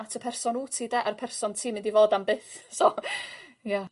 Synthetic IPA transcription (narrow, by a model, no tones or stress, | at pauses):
tʰəpʰɛrsɔnuːtʰiːdɛʔaɾəpʰɛrsɔntʰiːmɪndivoːdambɨːθso | ja